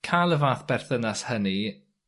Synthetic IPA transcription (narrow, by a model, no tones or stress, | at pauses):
kʰaːlˠəvaːθb̥ɛrθənashəni